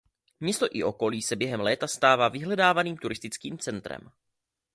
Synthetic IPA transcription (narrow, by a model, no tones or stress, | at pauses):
mɲɛst̪o̞ʔɪʔo̞ko̞liːsɛbjɛɦɛmlɛːt̪ast̪aːvaːvɪɦlɛdaːvaniːmt̪uɾɪst̪ɪt͡skiːmt͡sɛnt̪ɾɛ̰m